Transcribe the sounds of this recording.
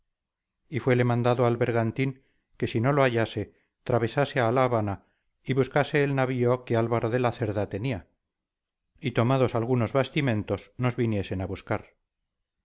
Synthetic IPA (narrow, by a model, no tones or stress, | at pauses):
ifwe̞le̞mãnd̪aðoalβe̞ɾɣant̪iŋ | ke̞sino̞loaʝase̞ | t̪ɾaβe̞sase̞alaːβana | iβuskase̞ːlnaβioke̞alβaɾo̞ðe̞laθe̞ɾðat̪e̞nia | it̪o̞maðo̞salɣuno̞zβast̪imẽ̞nt̪o̞sno̞zβinje̞se̞naβuskaɾ